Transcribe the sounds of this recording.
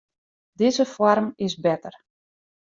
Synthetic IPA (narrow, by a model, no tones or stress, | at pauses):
dɪzəfwɔrmɪsbɛtər